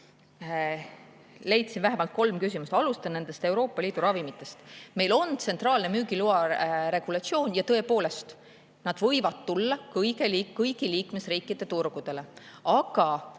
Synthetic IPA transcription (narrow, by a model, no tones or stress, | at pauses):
le̞jt̪sinvæɦemɑlt̪̚ko̞lmkys̬ʲimust̪ɑlust̪ɑnne̞nd̪e̞st̪e̞wɾo̞ːpːˑɑliːd̪̥uɾɑvimit̪ːˑe̞st̪me̞jlo̞nt̪se̞nt̪rɑːlne̞myːɡ̥iluɑɾe̞ɡ̥ulɑt̪sio̞ːnjɑt̪ɤe̞po̞ːle̞st̪ | nɑd̪̥vɤjvɑt̪ːulːɑkɤjɡelikːɤjɡiliːkme̞sriːkːˑid̪̥e̞t̪urɡ̥ud̪̥e̞le̞ɑɡ̥ɑ